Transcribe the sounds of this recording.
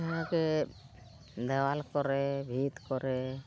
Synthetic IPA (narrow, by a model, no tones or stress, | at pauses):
ke | d̪ɛwalkɔɾebʱit̪kɔɾe